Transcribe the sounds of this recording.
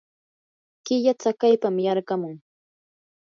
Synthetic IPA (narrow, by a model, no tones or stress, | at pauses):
kɪʎat͡sakajpamjaɾɢamʊŋ